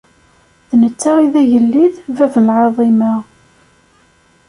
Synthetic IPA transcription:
ðnət͡sːaiðæjəlːiðvævnəlʕɑðˤima

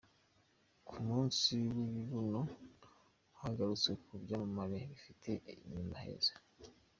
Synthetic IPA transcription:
kʰumuːnsiwiβiβuno | haɡaɾut͡sekubjaːmamaɾeβifitʰe̞iɲumahḛzḁ

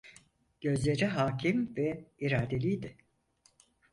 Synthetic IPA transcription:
ɟ̥ø̞zlʲe̞ɾiɦaːcʰimvɛiɾaːd̪e̞lʲijd̪ɪ

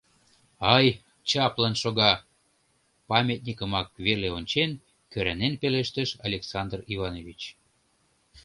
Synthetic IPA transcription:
ɑj | t͡ɕɑplɑnʃoɣɑ | pɑmʲet̪̚nʲikəmɑk̚βerleonʲt͡ɕen | køɾænenpeleʃt̪əʃɑ̰lʲeksɑnd̪rivɑnovʲit͡ɕ

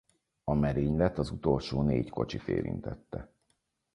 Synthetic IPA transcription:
ɒmɛɾeːɲlɛt̪ɒzut̪o̞lʃoːneːcko̞t͡ʃit̪ḛːɾḭnt̪ɛt̪ːɛ

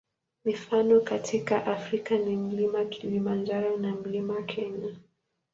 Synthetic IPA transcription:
mifanɔkatʰikaʔafɾikanim̩limakʰilimand͡ʒaɾɔnam̩limawakʰɛɲa

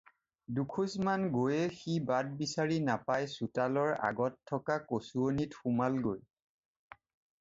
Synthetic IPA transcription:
dukʰusmanɡojɛxibad̚bisaɹinapajsutalɔɹa̰ɡɔtʰːɔkakosuonitxumalɡoj

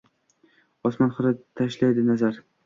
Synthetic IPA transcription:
ɒsmanχʊɾɪt̪ʰaʃlajd̪ɪnazaɾ

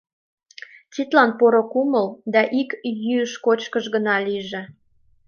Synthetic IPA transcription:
t͡sit̪lɑnpoɾokuməld̪ɑʔikjyəʃkot͡ɕkəʒɣənɑliʒĕ

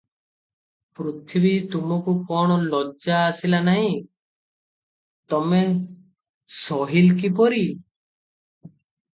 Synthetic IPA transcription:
pɾut̪ʰibit̪umɔkukɔɳ̃ɔlɔd͡ʒaːsilanaɦĩ | t̪ɔme | sɔɦilkipɔɾi

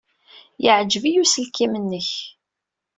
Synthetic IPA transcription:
jəʕd͡ʒvijusəlkimənːəç

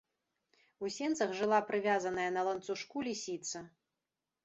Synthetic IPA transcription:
usʲɛnt̪sɐxʐɨlˠapɾɨvʲazɐnɐjɐnɐlˠɐnt̪suʂkulʲisʲit̪sɐ

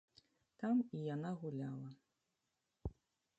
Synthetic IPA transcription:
t̪amijanaɣulʲalˠɐ

